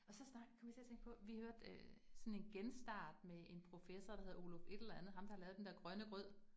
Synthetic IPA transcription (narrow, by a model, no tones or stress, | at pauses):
ɒ̽sɒ̽snɑ̈ɡ̥kʰɒmʋit͡sʰe̝ɐt͡sʰeŋɡ̥pʰɒ̽ʋihhøɐ̰d̥øsɒ̽ne̝nɡ̥ensd̥ɑ̰̈ːd̥meʔe̝npʰʁo̝fesɐd̥ɑ̈he̝ð̞̩ˠo̝lofe̝d̥elɐænð̞̩ˠɦɑ̈md̥ɑhɑ̈lɛːʊðˠdend̥eɐɡ̥ʁɶnəɡ̥ʁœð̰ˠ